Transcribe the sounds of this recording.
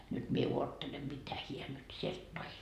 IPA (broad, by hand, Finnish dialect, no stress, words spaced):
nyt mie uotːelem mitæ hiæ nyt sielt toi